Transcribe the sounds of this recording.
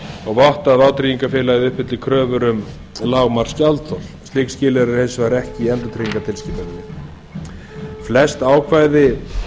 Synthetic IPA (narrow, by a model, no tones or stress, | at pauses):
ɔɣvɔht̪aðaːwt̪ɾiːjiŋkafɪːlaɣɪðʏhpɪt̪lɪkʰɾœːvʏɾʏm | laːɣmaɾ̥scalt̪θʰɔlst̪lɪkscɪːlɛɾɪɾ̥hesvaɾɛhcɪiɛnt̪ʏt̪ʰɾijiŋkat̪ʰɪlscɪːp̪aɪnːɪ | flɛst̪aːwkʰvaːjðɪ